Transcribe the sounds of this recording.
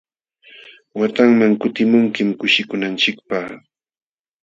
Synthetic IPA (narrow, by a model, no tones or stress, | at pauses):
wat̪aŋmaŋkʊt̪ɪmʊŋkɪmkʊʃɪkʊnant͡ʃɪkpaχ